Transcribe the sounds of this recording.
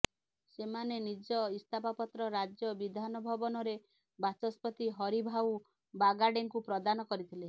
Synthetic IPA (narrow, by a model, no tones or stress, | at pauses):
semanenid͡ʒɔist̪ʰapapɔt̪ɾɔɾad͡ʒjɔbid̪ʱanɔbʱɔbɔnɔɾe | bat͡ʃɔspɔt̪iɦɔɾibʱaw | baɡaɖeŋkupɾɔd̪anɔkɔɾit̪ʰile